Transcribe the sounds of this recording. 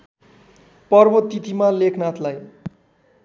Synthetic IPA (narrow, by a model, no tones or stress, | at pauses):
pʌrbʌt̪ːit̪imalekʰnat̪ʰlaj